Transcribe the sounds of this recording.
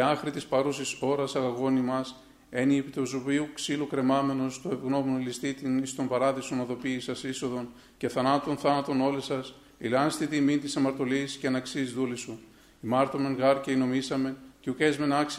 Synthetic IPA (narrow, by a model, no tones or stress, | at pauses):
iɐxɾit̪ispɐɾusiso̞ɾɐsɐɣɐɣo̞nimɐs | e̞nipt̪ozuviuksilukɾe̞mɐme̞no̞st̪oevɣno̞monolist̪it̪inist̪o̞mbɐɾɐðiso̞nɐðo̞piːsɐsiso̞ðo̞n | ce̞θɐnɐt̪o̞nθɐnɐt̪o̞no̞lisɐs | ilɐnst̪it̪imint̪isɐmɐɾt̪o̞lisceɐnɐksiːzðulisu | imɐɾt̪ome̞nɣɐɾcɐino̞misɐme̞nceukezme̞nɐks